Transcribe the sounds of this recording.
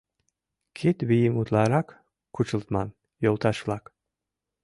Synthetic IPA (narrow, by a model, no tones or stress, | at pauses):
kʲʰet̪bijimut̪lˠɑɾɑkːʰ | ut͡ʃɨlˠt̪mɑn | jolˠt̪ʰɑʃflˠɑk